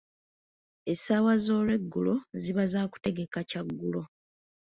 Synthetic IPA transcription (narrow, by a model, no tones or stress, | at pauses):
e̞sawazo̞ːlwe̞ɡːuloziβazaːku̥te̞ɡe̞kacaɡːulo̞